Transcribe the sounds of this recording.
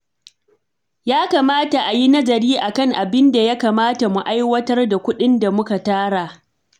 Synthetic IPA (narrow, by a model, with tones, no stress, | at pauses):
jaː˦kaː˨maː˦ta˨ʔa˨ji˦nɐ˦zɐ˨ɽiː˦ʔa˨kɐ˦˨ŋʔa˨bɪ˦nda˨ja˦kaː˨maː˦ta˨mu˨ʔa˦jwɐ˦tɐ˦rda˨kʷʊ˦ɗɪ˦nda˨mʊ˦ka˨taː˦ɽaː˨